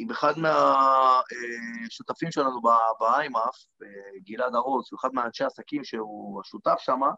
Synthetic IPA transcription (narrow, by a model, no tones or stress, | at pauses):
ibeχad̪mea | eʃut̪afimʃelanubabaajmaf | beɡilad̪aʁozueχad̪meaːnʃeasakimʃeuaʃut̪afʃama